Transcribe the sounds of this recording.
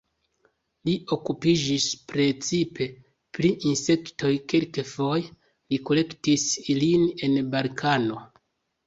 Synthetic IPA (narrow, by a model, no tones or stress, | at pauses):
liʔo̞kupid͡ʒispɾe̞t͡sipʰe̞ | pɾiʔinse̞kto̞jkelkefo̞je | liko̞le̞ktisline̞nbalkʰano̞